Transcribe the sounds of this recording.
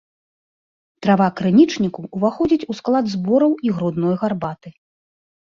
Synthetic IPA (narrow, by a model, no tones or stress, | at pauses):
t̪ɾavakɾɨnʲit͡ʂnʲikuːvaxɔd͡zʲit͡sʲusklˠad̪zbɔɾɐwiɣɾud̪nɔjɣarbat̪ɨ